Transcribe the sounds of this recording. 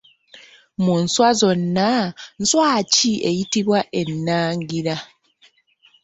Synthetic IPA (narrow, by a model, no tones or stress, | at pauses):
munswazo̞nːan̩swaːcie̞jitiβwaʔe̞nːaːŋɡiɾa